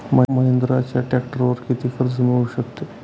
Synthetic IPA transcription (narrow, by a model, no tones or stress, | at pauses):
məməɦend̪ɾat͡ɕjaʈækʈəɾʋəɾkit̪iːkʰəɾd͡zəməuɕəkt̪e